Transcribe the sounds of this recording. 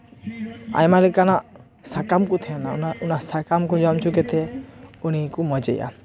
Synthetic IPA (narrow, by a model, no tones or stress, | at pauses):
a̰jmaɾɛkanaʔ | sakamkut̪ʰijananaunasakamkud͡ʒɔmt͡ʃʰukɛt̪ɛuñikumɔd͡ʒḛja̰